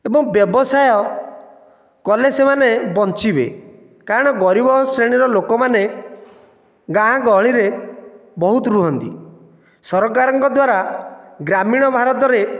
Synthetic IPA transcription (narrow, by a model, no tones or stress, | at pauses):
ebɔŋbjɔbɔsajɔ | kɔlesemanebɔnt͡ʃibḛ | kaɾɔɽ̃ɔɡɔɾibɔsɾeɽ̃iɾɔlokɔmane | ɡãɦãɡɔɦɭiɾebɔɦut̪ɾuɦɔnt̪ḭ | sɔɾɔkaɾɔŋkɔd̪waɾaɡɾamiɽ̃ɔbʱaɾɔt̪ɔɾe